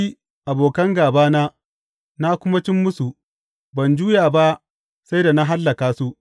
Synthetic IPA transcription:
i˦ | ʔa˨boː˨kɐ˦ŋɡaː˨baː˦naː˦ | na˦kʷʊ˦ma˦t͡ʃɪ˦mːʊ˦su˨ | bɐ˨nd͡ʒuː˦jaː˨ba˦ʔ | sa˦jda˨na˦ɦa˦lːɐ˨kaː˨su˦ʔ

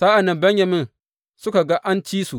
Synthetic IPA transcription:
sa˦ʔa˨nɪ˦mbɐ˦ɲjɐ˨mɪ˦n | sʊ˦ka˨ɡa˦ʔa˦nt͡ʃiː˦su˨

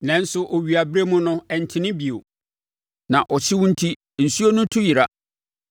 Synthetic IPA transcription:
nɛ̃˦n̩˦sʊ˦ʔo˨ɥi˨a˨bɾe˦mʊ̃˦nʊ̃˦ɛ˨n̩˨tʰɪ˦nɪ̃˦bi˨o˨ | nã˨ʔɔ˨t͡ɕʰɪ˦wʊ̃˦n̩˦tʰi˦ | n̩˨su˦o˦nʊ̃˦tʰʊ˦ji˨ɾa˦

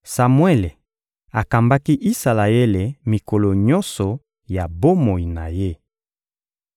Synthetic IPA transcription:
sa˨mwe˦le˨ | a˨ka˨mba˦ki˦ʔi˦sa˨la˨e˦le˨mi˨ko˨lo˨ɲɔ˦nsɔ˨ | ja˨bo˦mo˨i˨na˨je˦

